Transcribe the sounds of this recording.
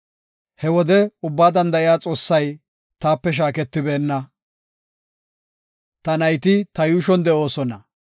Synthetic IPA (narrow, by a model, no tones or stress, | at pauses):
hɛwɔd̪ɛʊbːaːd̪ɐnd̪ɐʔɪjaːt͡sʼo̞ːsːɐj | t̪aːpːɛʃ̬aːkɛt̪ːɪbe̞ːnːɐ | t̪ɐnɐjt̪ɪt̪ɐjuːʃɔnd̪ɛʔo̞ːsɔnɐ